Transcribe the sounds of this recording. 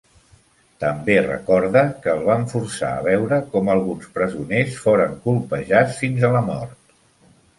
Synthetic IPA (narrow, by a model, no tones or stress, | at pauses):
t̪əmberə̰kɔɾðəkəːlˠβaɱfuɾsa̰ə̰β̞ɛwɾəkɔməlˠɣunspɾəzunesfoɾəŋkulˠpəʒat͡sfinzələmɔrt̪